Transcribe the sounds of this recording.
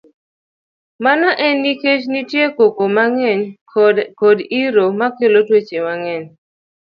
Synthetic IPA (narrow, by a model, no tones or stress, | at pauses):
manɔʔɛnːiket͡ʃnitjekokomaŋɛɲ | kodiɾomakelotwet͡ʃemaŋɛn